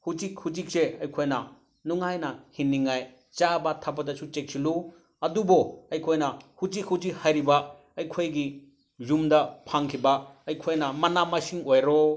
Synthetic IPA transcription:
hud͡ʒik̚hud͡ʒik̚seɐjkʰojnɐ | nuŋajnɐhinːiŋaj | t͡ʃabɐtʰapɐdɐsut͡ʃek̚sʰilu | ɐdubɔɐjkʰojnɐhud͡ʒikhud͡ʒik̚hajɾibɐ | ɐjkʰojɡi | zumdɐpʰaŋkʰibɐɐjkʰojnɐmɐnamɐsiŋojɾɔ

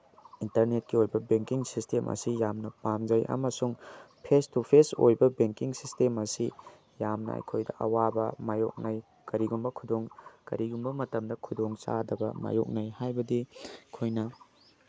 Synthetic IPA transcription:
intɐɾnet̚kiojbɐbeŋkiŋsistemʔɐ̰sijamnɐpamd͡ʒɐjʔɐ̰mɐsuŋpʰestupʰeso̰jbɐbeŋkiŋsistemɐsi | jamnɐ̰ɐ̰jkʰojdɐ̰ʔɐ̰wabɐmajo̰k̚nɐj | kɐɾiɡumbɐkʰudoŋkɐ̰ɾiɡumbɐmɐtɐmdɐkʰudoŋt͡ʃa̰dɐbɐ̰ma̰jo̰k̚nɐjhajbɐdikʰojnɐ

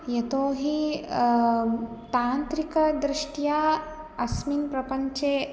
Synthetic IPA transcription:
jɐt̪oːɦi | t̪aːnt̪ɾikɐd̪ɾɪʂʈjaː | ɐsminpɾɐpɐɲt͡ʃeː

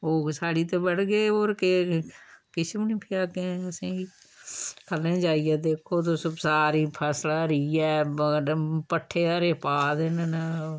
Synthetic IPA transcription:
oːsaːɽiːt̪eːbəɽɡeːoːɾke | kɪsmnĩːpʰɪjaːkẽːəsẽːi | kʰəlẽːd͡ʒaːiɛːd̪eːkʰoːt̪̬oːsʊbsaːɾiːpʰɛːslaːɾiːɛː | pəʈʰːeːaːɾeːpaːd̪enna

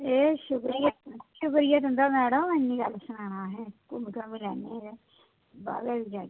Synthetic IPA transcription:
eːʃʊkɾijət̪ʃʊkɾijət̪ɦʊnd̪aːmɛːɽəmenːĩːɡəlsənaːnaːɦɛːkʊmɪkãːmiːlɛːneːɾeː | ba̰ːbeːbiːd͡ʒaː

